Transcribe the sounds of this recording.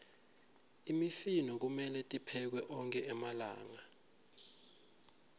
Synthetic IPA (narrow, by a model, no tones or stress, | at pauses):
imifinɔk̬umɛlɛtʼipʰɛk̬wɛʔɔŋkʼɛʔɛmala̰ːŋa